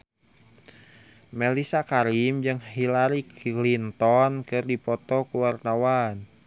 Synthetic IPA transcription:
mɛlisakaɾimd͡ʒɨŋhilaɾiklint̪ɔnkɨrdipɔt̪ɔkuwart̪awan

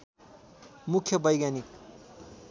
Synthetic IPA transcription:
mukʰjʌbʌjɡanik

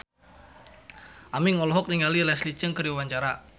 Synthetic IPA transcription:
ʔamiŋɔlɔɦɔk̚niŋalilɛslit͡ʃəŋkəɾiwaɲt͡ʃaɾa

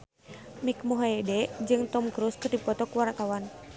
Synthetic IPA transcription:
mik̚muɦaedɛd͡ʒɨŋt̪ɔmkɾuskɨrdipɔt̪ɔkuwaɾak̪awan

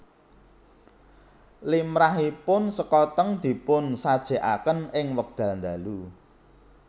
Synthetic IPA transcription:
limɾaɦipʊnsəkɔt̪əŋd̪̥i̤pʊnsad̥ʒ̥e̤ʔa̰kənɪŋwək̚d̪̥ä̤lnd̪a̤lu

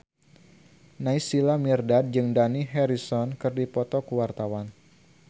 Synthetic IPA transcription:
naisilamirdad̪̚d͡ʒɨŋdaniɦɛɾisɔnkɨrdipɔt̪ɔkuwart̪awan

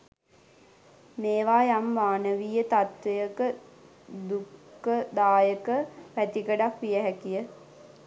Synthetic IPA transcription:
meːʋaːjamʋaːnəʋijət̪at̪ʋejəkə | d̪ukːəd̪aːjəkəʋæt̪ikəɖakʋijəɦækijə

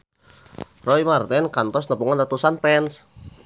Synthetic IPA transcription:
rɔimart̪ɛnkant̪ɔsnəpuŋanrat̪usanpɛns

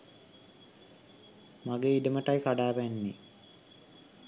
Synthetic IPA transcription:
maɡeiɖəməʈajkaɖaːʋænːe

